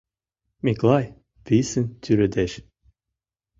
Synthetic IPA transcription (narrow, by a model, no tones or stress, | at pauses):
miklˠɑj | pisɘnt̪ʰʲyɾɘd̪eʃ